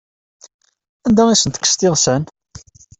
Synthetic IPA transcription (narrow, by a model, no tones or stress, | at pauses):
ænd̪æisənt̪ə̥kːə̥st̪ɪʁsən